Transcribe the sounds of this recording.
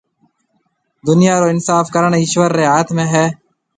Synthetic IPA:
d̪ʊnɪjaːɾoːɪnsaːfkəɾəɳiːʃʋəɾːeːɦaːt̪ʰmẽːɦɛː

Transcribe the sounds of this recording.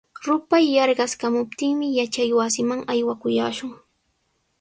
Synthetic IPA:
ɾʊpajːɑɾɢɑskamʊp̚t̪ɪŋmɪjat͡ʃajwasɪmaŋajwakʊjaːʃʊŋ

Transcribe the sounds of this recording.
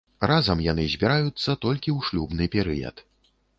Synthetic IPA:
razɐmjanɨzʲbʲiɾajut̪sːɐt̪ɔlʲkʲiwʂlʲubnɨpʲɛɾɨjɐ̰t̪

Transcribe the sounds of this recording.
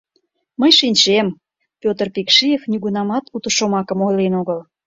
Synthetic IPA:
məjʃinʲt͡ɕem | pʲot̪ərpikʃijefnyɣunɑmɑt̪ut̪əʃomɑkəmojlenoɣəl

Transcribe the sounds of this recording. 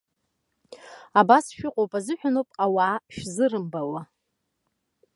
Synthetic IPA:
abasʃᶣʊqʷʼowpʼazɨħᶣanowpʼawaːʃᶣzɨɾɨmbawa

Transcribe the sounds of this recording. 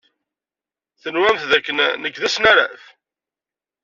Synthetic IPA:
θənwæmθðækːənnəkːðæsnaɾæ̰f

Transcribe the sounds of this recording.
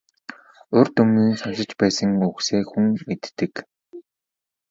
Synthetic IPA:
ʊrt̪ɵmniːnsʊʃɪ̆t͡ɕpæːsə̆ŋukseːxuŋmet̪ːɘ̆k

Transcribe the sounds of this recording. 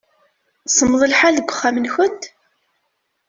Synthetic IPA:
sˤəmðˤəlħalðəɡʷʊχːamənxʊnt̪

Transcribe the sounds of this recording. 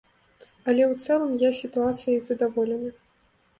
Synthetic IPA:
ɐlʲɛwt̪sɛlˠɐmjasʲit̪uat̪sɨjɐizɐd̪avɔlʲɛnɐ

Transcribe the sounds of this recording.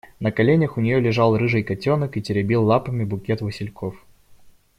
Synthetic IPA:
nəkɐlʲenʲəxʊnʲɪjolʲɪʐɑlˠrɨʐɨjkɐtʲo̞nəkɨtʲɪɾʲɪbʲilˠːapəmʲɪbʊkʲet̪vɨsʲɪlʲkʰof

